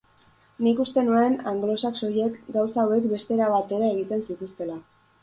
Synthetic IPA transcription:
nikust̪e̞nue̞naŋɡlo̞sakso̞je̞kɡawsaːwe̞kbe̞st̪e̞ɾaβat̪e̞ɾaeɣ̞it̪e̞nsit̪ust̪e̞la

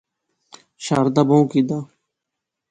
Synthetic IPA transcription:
ʃaːɾd̪aːboũkiːd̪aː

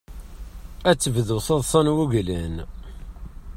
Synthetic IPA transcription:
æt͡sːəvðuθɑðˤsˤɑnwuʝlæn

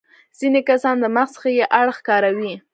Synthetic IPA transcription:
z̥inekasɑnd̪əmaxsə̥xajeʔaɽxkɑɾawi

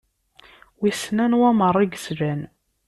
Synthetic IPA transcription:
wisnænwæmərˤːiɡəsɾæn

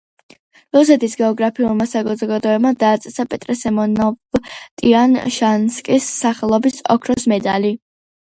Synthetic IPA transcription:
lɔs̬ɛt̪ʰisɡɛɔɡɾapʰiulˠmasaɡɔzɔɡad̪ɔɛbmad̪aːt̪sʼɛsapʼɛt̪ʼɾɛsɛmɔnɔvt̪ʼianʃanskʼisːaχɛlˠɔbisɔ̰kʰɾɔsmɛd̪ali

